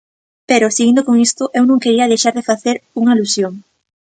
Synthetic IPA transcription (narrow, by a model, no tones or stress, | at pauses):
peɾʊsiɣind̪ʊkoŋist̪ʊʔewnõŋkeɾiɐðejʃaɾðefaθeɾuŋailusjoŋ